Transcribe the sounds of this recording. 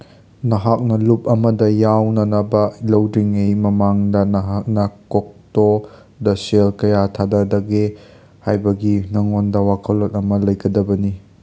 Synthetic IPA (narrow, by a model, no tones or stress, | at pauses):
nɐɦak̚nɐlup̚ɐmɐdɐjawnɐnɐbɐlɐwɾiŋːimɐmaŋdɐnɐɦak̚nɐkok̚to | dɐselkɐjatʰadɐdɐɡe | hajbɐɡinɐŋondɐwakʰɐlotɐmɐlɐjɡɐdɐbɐni